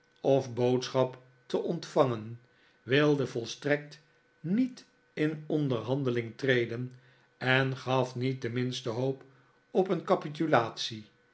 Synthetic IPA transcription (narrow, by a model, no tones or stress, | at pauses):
ɔfbowtsχɑp | təʔɔntfɑŋən | ʋɪlˠdəvɔlˠstrɛk̚t | nit | ɪnɔndəɹɦɑndəlɪŋtrejdən | ɛnχɑfnit̚dəmɪnstəɦowp | ɔpənkɑpitylaːtsi